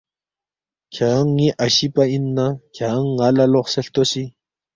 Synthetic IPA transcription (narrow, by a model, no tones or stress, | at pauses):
kʰaŋːiʔaɕipainːakʰaŋːalaloχseɬt̪osi